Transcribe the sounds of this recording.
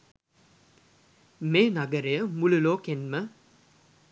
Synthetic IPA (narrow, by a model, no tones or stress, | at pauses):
meːnaɡəɾejəmululoːkenmə